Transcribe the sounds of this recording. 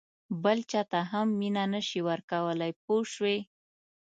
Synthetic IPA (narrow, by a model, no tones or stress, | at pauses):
bəlt͡ʃɑt̪aɦamːinanəʃiwəɾkawəlajp̚oʃwe